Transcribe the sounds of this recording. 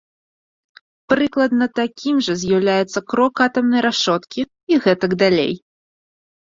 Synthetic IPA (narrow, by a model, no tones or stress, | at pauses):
pɾɨklˠɐd̪nɐt̪akʲimʐɐzʲjawlʲajɛt̪sːɐkɾɔkat̪ɐmnɐjɾaʂɔt̪kʲi | iɣɛt̪ɐɡd̪alʲḛj